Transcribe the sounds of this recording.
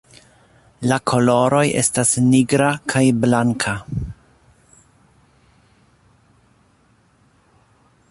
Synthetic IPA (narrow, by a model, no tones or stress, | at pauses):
lakʰo̞lo̞ɾo̞je̞̰stasniɡɾakʰajblaŋkʰa